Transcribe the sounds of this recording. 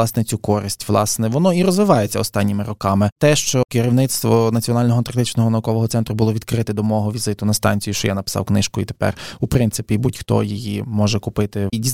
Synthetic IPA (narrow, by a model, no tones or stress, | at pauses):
ɑsnɛt͡sʲukɔɾɪsʲtʲʋlˠɑsnɛʋɔnɔirɔzʋɪʋɑjet͡sʲːɐɔst̪ɑnʲːimɪrɔkɑmɪt̪ɛʃt͡ʃɔkɪɾʲiwnɪt̪st̪ʋɔnɐt͡sʲiɔnɑlʲnɔɦɔnt̪ɐrt̪ɪt͡ʃnɔɦɔnɐukɔʋɔɦɔt̪sɛnt̪ɾʊbʊlˠɔʋʲid̪̚kɾɪt̪ɛd̪ɔmɔɦɔʋʲizɪt̪ʊnɐst̪ɑ̰nʲt͡sʲijuʃt͡ʃɔjanɐpɪ̥sɑ̰wknɪʃkʊit̪e̥pɛ̰rupɾɪnt̪sɪpʲibutʲxt̪ɔ̰jijimɔʒɛkʊpɪt̪ɪdʲi